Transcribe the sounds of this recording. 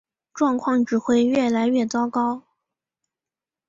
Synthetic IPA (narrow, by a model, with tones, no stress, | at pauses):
ʈ͡ʂwɑ˥˧ŋkʰwɑ˥˩ŋʈ͡ʂɻ̩˨˩xwe˥˧ɪɥɛ˥˩la˧˥ɪɥɛ˥˩t͡sɑ˥ʊkɑ˥ʊ